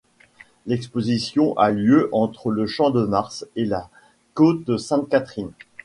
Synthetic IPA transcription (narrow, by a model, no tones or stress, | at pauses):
lɛkspozisjɔ̃ʔaljøʔɑ̃t̪χələʃɑ̃d̪əmaʁsela | kot̪̚əsɛ̃t̪̚kat̪χin